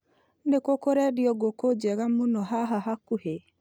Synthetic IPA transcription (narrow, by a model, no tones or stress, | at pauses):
nekokoɾɛɾiɔɡokod͡ʒɛɣamunɔɦaɦaɦakuhe